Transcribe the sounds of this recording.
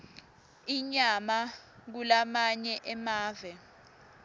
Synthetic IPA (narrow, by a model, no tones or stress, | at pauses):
iɲamak̬ulamaɲɛʔɛmaːvɛ